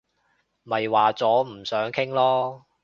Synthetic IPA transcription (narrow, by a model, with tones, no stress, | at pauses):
mɐ˨jwaː˨t͡sɔː˨˥m̩˨˩sœː˨˥ŋkʰɪ˥ŋlɔː˥